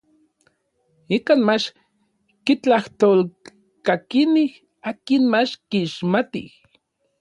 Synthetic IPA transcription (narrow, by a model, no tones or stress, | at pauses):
ikanmat͡ʃ | kit͡ɬaht̪ol | kakinih | aːkinmat͡ʃkiʃmat̪ḭh